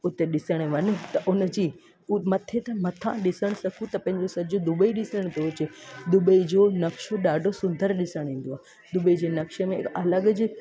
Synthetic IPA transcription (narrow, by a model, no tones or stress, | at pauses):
ʊt̪eɗɪsəɽ̃eʋɐnũt̪ɐʔʊnəd͡ʑiː | mɐt̪ʰet̪ɐmɐt̪ʰã̰ɗɪsəɽ̃sɐkʰũt̪ɐpɐ̃ɦɪ̃ɲd͡ʑosɐd͡ʑod̪ʊbəiɗɪsəɽ̃t̪ot͡ɕed̪ʊbəid͡ʑonɐkʃoɗaːɖʱosʊ̃nd̪ʱəɾɗɪsəɽ̃ĩːn̆d̪oaː | d̪ʊbəid͡ʑenɐkʃəmẽkɐləɡd͡ʑɪ̆